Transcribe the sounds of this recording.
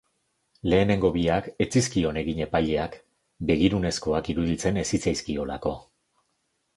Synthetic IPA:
le̞ːne̞ŋɡo̞βiake̞t͡siskio̞ne̞ɣiɲe̞paʎe̞ak | be̞ɣiɾune̞sko̞akiɾuðit͡se̞ne̞sit͡sajskio̞la̰ko̞

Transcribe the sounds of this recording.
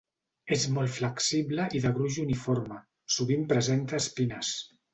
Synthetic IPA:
ezmɔlˠfləksiβləʔiðəɣɾuʒunifoɾmə | suβ̞impɾəzent̪əːspinəs

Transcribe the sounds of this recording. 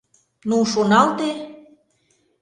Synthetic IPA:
nuʃonɑlt̪e

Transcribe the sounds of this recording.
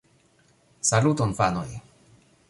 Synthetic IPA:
salut̪ɔnpanoj

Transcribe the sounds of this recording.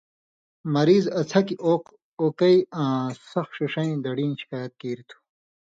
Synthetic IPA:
mɐɾiːzɐt͡sʰɐkioːq | oːkɐjãːsɐxʂiʂɐ̃ĩd̪ɐɽiːnɕi̥kaːjɐt̪̚kiːɾit̪ʰu̥

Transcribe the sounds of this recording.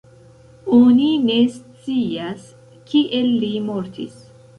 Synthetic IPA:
onine̞st͡sias | kiʔelːimo̞ɾtḭs

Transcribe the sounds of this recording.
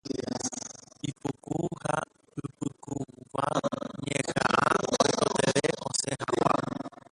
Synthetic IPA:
ipukuha | pɨpɨkuʋaɲẽhaʔãooeɾeʔõsẽɦãwã

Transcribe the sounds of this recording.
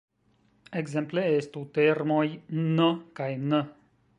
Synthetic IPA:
eɡzɛmpleest̪ut̪ermojnəkajnə

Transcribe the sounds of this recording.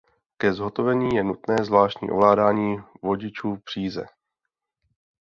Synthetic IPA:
kɛzɦot̪o̞vɛɲiːjɛnut̪nɛːzvlaːʃcɲḭʔo̰vlaːdaːɲiːvo̞ɟɪt͡ʃuːpr̝̥iːzɛ̰

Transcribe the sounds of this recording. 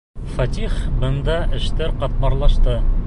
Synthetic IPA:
fɐt̪ʲiχbɤ̆nd̪ɑʔɘ̆ʃt̪ɘɾqɑt̪̚bɑɾlˠɑʃt̪ɤ

